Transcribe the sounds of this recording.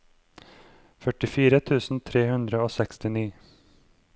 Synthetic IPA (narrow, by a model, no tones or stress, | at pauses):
fœʈɪfiːɾət̪ʰʉːsn̩t̪ʰɾeːhʉnd̪ɾəoːsɛkst̪ɪniː